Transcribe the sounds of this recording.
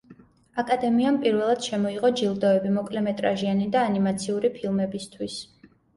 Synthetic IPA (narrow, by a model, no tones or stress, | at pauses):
akʼad̪ɛmiampʼiɾvɛlˠad̪̥ʃɛmɔiʁɔd͡ʒilˠd̪ɔɛbimɔkʼlɛmɛt̪ʼɾaʒianid̪aːnimat̪sʰiuɾipʰilˠmɛbist̪ʰwis